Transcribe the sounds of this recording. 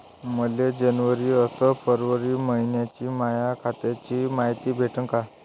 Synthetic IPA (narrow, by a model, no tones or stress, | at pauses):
məljed͡ʑənʋəɾiːəsəpʰəɾʋəɾiːməɦinjat͡ɕiːmajakʰat̪jat͡ɕiːmaɦit̪iːbʱeʈənka